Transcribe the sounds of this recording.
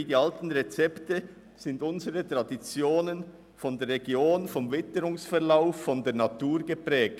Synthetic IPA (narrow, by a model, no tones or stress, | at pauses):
diːɑltn̩ʁet͡sɛptə | z̥ɪndʊnzəʁətʁ̥ɑdit͡sjoːnən | fɔndeːɾʁeɡjoːnfɔmvɪtəɾʊŋsfɛʁlaʊfːɔndeːnɑtuːɾɡəpʁɛːk̚